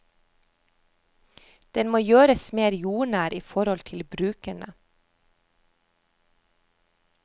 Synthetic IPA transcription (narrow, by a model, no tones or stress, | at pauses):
d̪̥ɛnmoːjøːɾəsmeːɾjuːɳæːɾiːfɔɾɔlt̪ʰɪlbɾʉːkæɳə